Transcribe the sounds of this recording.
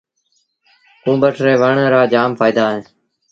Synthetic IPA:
kũːbəʈɾeːʋəɳɾaːd͡ʒaːmfʰaːid̪aːɦẽː

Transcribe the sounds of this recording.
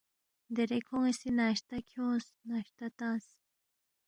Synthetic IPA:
d̪eɾekʰoŋisinaʃt̪akʰjõs | naʃt̪at̪ãs

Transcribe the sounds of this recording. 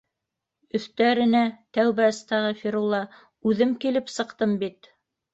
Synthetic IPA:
ɵ̆θt̪æɾɘ̆næt̪æwβæ̆st̪ɑʁɤfʲiɾulˠɑ | ʉðɘmkilɘpsɤ̆qt̪ɤmbit̪

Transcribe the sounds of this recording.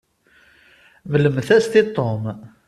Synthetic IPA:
vələmθæst̪it̪ˤːom

